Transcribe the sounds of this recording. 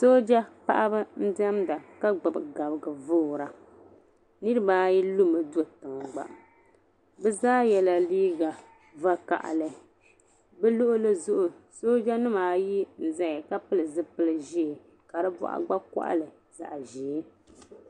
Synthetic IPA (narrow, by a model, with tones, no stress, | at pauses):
so˦d͡ʒa˦pa̰˦ʔa˦bɨ˦n̩˦dɛ˦mda˨ka˦ɡ͡bɨ˨bɨ˨ɡa˨bɨ˨ɡɨ˨voː˦˨ɾa˨ | nɨ˦ɾɨ˦baː˦ji˦lu˦mɨ˨du˦o˨tɨ˨ŋ˨ɡ͡ba̰˨ʔ | bɛ˦zaː˦jɛ˨la˨liː˦ɡa˨ | va˦ka̰˨ʔlɨ˨ | bɛ˦lo˦ʔʊ˦lɨ˦zʊ˦ʔʊ˨so˦d͡ʒa˦nɨ˦maː˨ji˦n̩˨za˦jka˦pɨ˦lɨ˨zɨ˦pɨ˦lɨ˨ʒi˦˨ | ka˨dɨ˦bɔ̰˦ʔa̰˨ɡ͡ba˦ka̰˦ʔa̰˦lɨ˨ | za̰˨ʔʒeː˨˦